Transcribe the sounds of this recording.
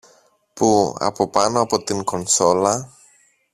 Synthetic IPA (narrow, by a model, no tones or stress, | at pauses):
pua̰popanoapot̪inkɔnsola